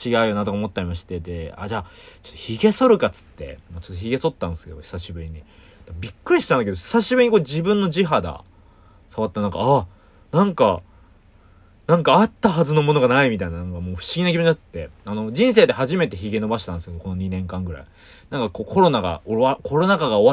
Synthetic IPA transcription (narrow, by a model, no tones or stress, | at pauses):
t͡ɕiɡaɯ̟jonat̪okaomo̞t̪ːaɾimaɕi̥t̪ed̪e̞a̰d͡ʑaːt͡ɕot̪ːoçiɡe̞so̞ɾɯ̟kat͡sɨ̥t̪ːe̞̰moːt͡ɕo̥t̪ːoçʲiɡe̞so̞t̪ːãnd̪esɨ̥ked̪o̰çi̥saɕibɯ̟ɾʲiɲ̟i | d̪̥abʲikːɯ̟ɾʲiɕi̥t̪ãnd̪aked̪oçi̥saɕibɯɾiɲ̟ikod͡ʑibɯ̟̃nːo̞d͡ʑiɦad̪a̰ | saβat̪ːanãŋka̰a | nãŋka | nãŋkaːt̪ːaɦazɨno̞mo̞no̞ɡanaimʲit̪ainanãŋkamo̞ːɸɯ̟̥ɕiɡʲinak̬ʲibõt͡ɕ̪at͡st̪ːe̞ano̞d͡ʑĩɰ̃se̞ːd̪e̞ɦaʑime̞t̪e̞çiɡe̞no̞baɕi̥t̪and̪esked̪o̞ko̞no̞ɲ̟inẽ̞ŋkãŋɡɯ̟ɾa̰i | nãŋkako̞ːko̞ɾo̞naɡa̰oako̞ɾo̞nakaɡao̞βa